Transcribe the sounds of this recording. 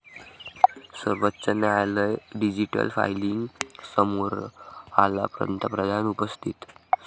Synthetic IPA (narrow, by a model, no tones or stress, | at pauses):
səɾʋətːɕənɛaləjɖid͡ʑiʈə̰lfa̰jliŋɡsəmoɾala̰pɾə̰nt̪əpɾəd̪ʱanupəst̪ʰit̪